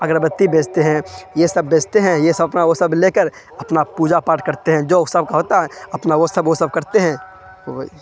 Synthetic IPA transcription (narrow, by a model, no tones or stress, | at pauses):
ɐɡɾəbət̪ːibeːd͡ʒt̪eɦɛ̃jesɐbːeːt͡ʃt̪eɦɛ̃jesɐbɐpnaʋosɐbleːkəɾ | ɐpnapuːd͡ʒapaːɾʈkɐɾt̪eɦɛ̃d͡ʒoːsɐb̚kaɦoːt̪aɦɛɐpnaʋosɐbʋosɐb̚kɐɾt̪eɦɛ̃ː | obi